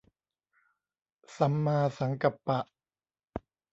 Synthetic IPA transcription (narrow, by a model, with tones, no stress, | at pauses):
sa˨˩˦mːaː˧sa˩˦ŋka˨˩pːa˨˩ʔ